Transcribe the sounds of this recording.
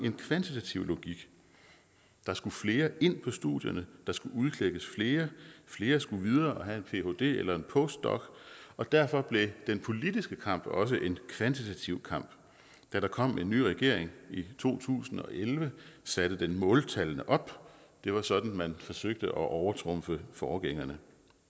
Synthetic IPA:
e̝nkʰʋænt͡sʰit͡sʰæt͡sʰiʊ̰lo̝ɡ̥iɡ̥ | d̥ɑ̈sɡ̥ufle̝ːɐʔe̝n̰pʰɒ̽sd̥ṵðˠjɐnəd̥ɑ̈sɡ̥uuðˠkʰleɡ̥əsfle̝ːɐfle̝ːɐsɡ̥uʋið̞ˠɐːɒɦæe̝npʰe̝ho̝d̥e̝̰ːelɐe̝npʰɔ̽sd̥ɒ̰̽ɡ̥ɒ̽d̥æɐ̰fɒ̽b̥le̝d̥enpʰo̝lid̥isɡ̥əkʰɑ̈m̰b̥ɒ̽s̬əʔe̝nkʰʋænt͡sʰit͡sʰæt͡sʰiʊ̰kʰɑ̈m̰b̥ | d̥æɾɑ̈kʰɒ̽m̰e̝nːy̰ːʁɛɡ̥e̝ɐ̰e̝ŋit͡sʰo̝̰ːt͡sʰṵːsn̩ɒ̽ʔelʋəsæɾ̥əd̥enmɔ̽ːlt͡sʰælənəʔɒ̽b̥d̥e̝ʋɑ̈sɒ̽d̥n̩mænfɒ̽søɡ̥̚d̥əʔɒ̽ʔɒʊɐt͡sʰʁɔ̽mfəfɒːɡ̥eŋ̰ɐnə

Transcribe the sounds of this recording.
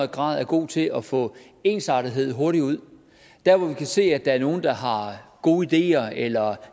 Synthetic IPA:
ð̩ˠɡ̥ʁɑ̈ːð̞̰ˠæɐɡ̥o̝̰ːt͡sʰe̝lʔɒ̽fɔ̰̽ | e̝ːnsɑ̈ɾ̥iðˠɦe̝ð̞̰ˠɦo̝ɐɾiuð̞̰ˠ | d̥æɐʋɒʋikʰæse̝̰ːæd̥ɑ̈æɐno̝ːn̩d̥ɑ̈ɦɑ̈ɡ̥o̝ːid̥e̝̰ːɐelɐ

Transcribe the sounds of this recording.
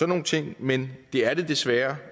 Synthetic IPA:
ɒno̝ːn̩t͡sʰe̝ŋ̰mend̥e̝æɐɾ̥e̝d̥e̝sʋæːɐ

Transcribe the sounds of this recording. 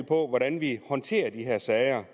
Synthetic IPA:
pʰɒ̽ʋɒɾænʋihɒ̽nt͡sʰe̝̰ːɐd̥iɦeɐ̰sɛɪɐ

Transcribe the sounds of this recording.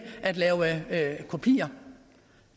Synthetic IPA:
ʔæd̥lɛːʊəkʰo̝pʰḭːɐ

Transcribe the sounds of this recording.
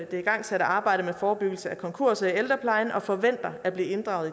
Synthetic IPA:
d̥e̝iɡ̥ɑ̈ŋ̰seɾɐɑ̈ːb̥ɑ̈ɪ̰ɾ̥əmefɒːb̥yɡ̥l̩səækʰɒ̽ŋkʰo̝ɐ̰sield̥ʁɐpʰlɑ̈ɪn̩ʔɒ̽fɒ̽ʋen̰d̥ɐæb̥liːe̝nd̥ʁɑ̈ʊð̩ˠ

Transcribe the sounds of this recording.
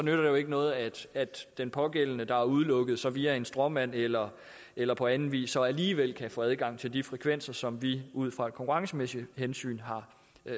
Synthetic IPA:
sɒ̽nøɾ̥ɐd̥e̝jo̝e̝ɡ̥ənɔ̽ːð̞̩ˠæd̥æd̥ːenpʰɒ̽ɡ̥el̰nəd̥ɑ̈æɐuð̞ˠlɔ̽ɡ̥ð̞̩ˠsɒ̽ʋiːæe̝nsd̥ʁɒ̽mæn̰elɐ | elɐpʰɒ̽ænn̩ʋḭːsɒ̽æliːʋel̰kʰæfɔːæð̞ˠɡ̥ɑ̈ŋ̰t͡sʰe̝ld̥ifʁɛkʰʋen̰sɐsɒ̽mʋiuð̰ˠfʁɑ̈e̝d̥̚kʰɒ̽ŋkʰuʁɑ̈ŋsəmesi̥hensy̰ːnɦɑ̈

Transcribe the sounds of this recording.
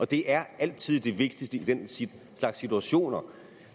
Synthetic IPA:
ʔɒ̽d̥e̝ʔæɐæl̰t͡sʰið̞̰ˠd̥e̝ʋe̝ɡ̥̚d̥isd̥əid̥en | slɑ̈ɡ̥sːit͡sʰuæɕo̝̰ːnɐ

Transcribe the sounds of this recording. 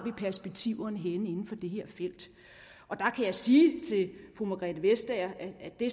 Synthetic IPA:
ʋipʰæɐsb̥e̝ɡ̥̚t͡sʰiʊɐnəɦenəe̝nn̩fɒ̽d̥e̝ɦe̝ɐ̰fel̰d̥ | ʔɒ̽d̥ɑ̈kʰæjɑ̈ɪsiːt͡sʰe̝lfʁumɑɡ̥ʁɛ̰d̥əʋesd̥ɛːɐææd̥e̝

